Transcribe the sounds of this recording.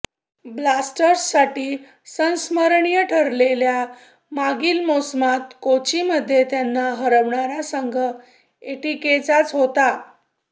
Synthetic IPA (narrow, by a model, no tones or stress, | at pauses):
blasʈəɾsːaʈiː | sə̃ñsməɾɳijəʈʰəɾlelja | maɡiːlmosmat̪kot͡ɕiməd̪ʱːjet̪janːaɦəɾəʋɳaɾasəŋɡʱə | eʈiket͡sat͡sɦot̪a